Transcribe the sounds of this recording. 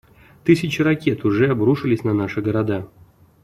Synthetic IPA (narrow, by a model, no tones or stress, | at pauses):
t̪ɨsʲɪt͡ɕɪrakʲe̞t̪ʊʐɛabɾuʂɨlʲɪsʲnanaʂɨɡəɾad̪a